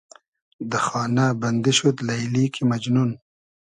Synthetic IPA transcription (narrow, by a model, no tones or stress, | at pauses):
d̪əxɑːnaband̪ɪʃut̪lajlikimad͡ʒnun